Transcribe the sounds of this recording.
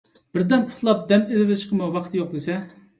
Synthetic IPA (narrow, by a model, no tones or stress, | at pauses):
b̥ɪɾd̪ɛnt̪ʰʊ̥t̪lˠɑp̚d̪ɛmelɪvɪʃqʰəmɨwɑqʰt̪ʰjoq̚d̪esɛ